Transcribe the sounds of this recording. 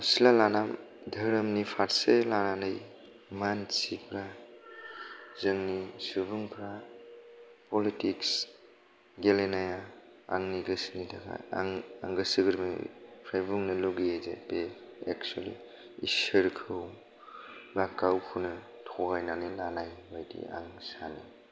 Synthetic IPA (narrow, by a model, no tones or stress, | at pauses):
silalanam | dʱɐɾɐmnipʰaɾselaɾanɐj | mansipʰɾa | zɯŋnisubuŋpʰɾa | pɔlitiks | ɡelenaja | a̰ŋniɡɯsnidaɡa̰ŋa̰ŋɡɯsiɡɯɾmḭpʰɾajbuŋnɐluɡiezḛpeḛk̚t͡ʃualḭ | isəɾkʰɯw | lakawpʰunɐ | tʰɔɡajnanilanajbajdḭa̰ŋsani